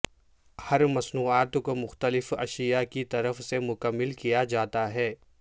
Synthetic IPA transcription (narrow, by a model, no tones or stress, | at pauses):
hɐɾmɐsnuːaːt̪komʊxt̪əlɪfɐʃijakit̪ɐɾəfsemʊkəmːɪlkijad͡ʒaːt̪aɦɛː